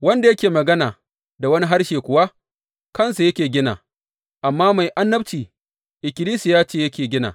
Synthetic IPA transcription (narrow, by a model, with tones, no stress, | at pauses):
wɐ˦nda˨jɐ˦kʲeː˨mɐ˨ɡɐ˦naː˨ | da˨wɐ˦ni˦ɦa˦rʃeː˨kʷʊ˦wa˦ | kɐ˦˨nsu˨jɐ˦kʲeː˨ɡʲɪ˦na̰ː˨ | ʔa˨mːaː˦ma˨jʔa˦nːɐ˦b̚t͡ʃiː˨ | ʔɪ˨kʲɪ˨liː˦si˨jaː˦t͡ʃeː˦˨jɐ˦kʲeː˨ɡʲɪ˦na̰ː˨